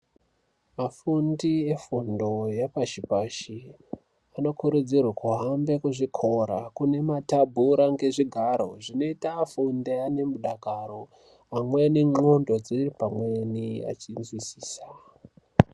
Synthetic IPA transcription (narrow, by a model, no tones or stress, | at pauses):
mafundie̞fundo̞japaʃipaʃi | ano̞kuɾud͡zirwakuɦambe̞kuʐikʰo̞ɾa̰kune̞matabʱuɾaŋɡe̞ʐiɡʱaɾo̞ʐino̞itafundeane̞muɗaɡʱaɾo̞ | amwe̞niŋ͡ǃo̞ndo̞d͡ziripamwenia̰t͡ʃinzwisiːsa